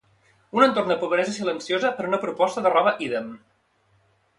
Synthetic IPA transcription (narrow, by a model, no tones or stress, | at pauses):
unənt̪ornd̪əpuβəɾɛzəsilənsjozəpəɾunəpɾupɔst̪əðərɔβəʔiðəm